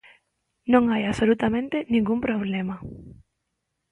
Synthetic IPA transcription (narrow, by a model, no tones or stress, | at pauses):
nõŋajasolut̪amẽnt̪enĩŋɡumpɾoβ̞lema